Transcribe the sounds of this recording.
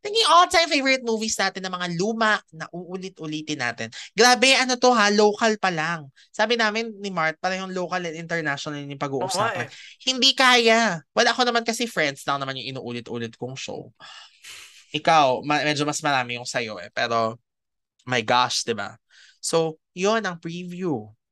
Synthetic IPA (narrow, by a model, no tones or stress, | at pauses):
t̪ɐŋɪŋʔolt̪ajmfejvɔɹɪt̪̚muːvisnaːt̪ɪnːɐmɐŋaluːmɐʔnɐʔuʔuːlɪt̪̚ʔʊliːt̪ɪnːa̰ːt̪ɪnɡɾaːbɛʔɐnot̪o̞ɦalowkɐlpɐlaŋ | saːbɪnaːmɪnnɪmaɹt̪̚pɐɾɐjʊŋlowkɐlɛnɪnt̪ɛɹnaʃonɐlnɪpɐɡuːʔʊsaɐhɪnd̪ikaːjawɐlaʔɐko̞nɐmankɐsɛfɹɛnd̪slɐŋnɐmanjʊŋʔɪnṵːʔuːlɪt̪ʔṵːlɪt̪̚kʊŋʃo̰w | ʔɪkawmɐmɛd͡ʒomɐsmɐɾaːmɪjʊŋsɐjo̞ʔɛ̰pɛːɾo̞ | mɐjɡaʃd̪ɪba̰ | so̞w | jonɐŋpɹivju